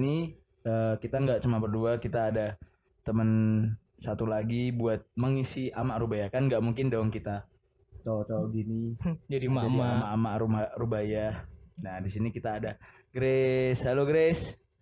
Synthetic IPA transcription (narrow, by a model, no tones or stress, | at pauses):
ni | əkit̪aŋɡaʔt͡ʃumapərduakit̪aːda | t̪əmən | sat̪ulaɡibuat̪̚məŋisiamaʔɾubajakanŋɡaʔmuŋkɪndaaŋkit̪a | t͡ʃɔt͡ʃɔɡinid͡ʒdiaaiamaʔamaʔɾumarubajahnadisinikit̪aːda | ɡɾeshaloɡɾes